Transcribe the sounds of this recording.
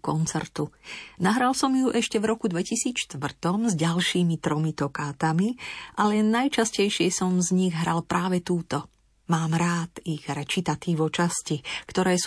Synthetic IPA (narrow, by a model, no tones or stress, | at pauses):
kɔnt͡sɛɾt̪unaɦɾalsɔmjuʔɛʃcɛvɾɔkud̪ʋɛcisiːt͡sʃt̪ʋr̩t̪ɔmzɟalʃiːmit̪ɾɔmit̪ɔkaːt̪amiʔalɛnːajt͡ʃascɛjʃɪɛsɔmzɲiɣɦɾalpɾʔaːʋɛt̪uːt̪ɔ | maːmɾaːt̪iɣɾɛt͡ʃit̪at̪iːʋɔt͡ʃascikt̪ɔɾɛːs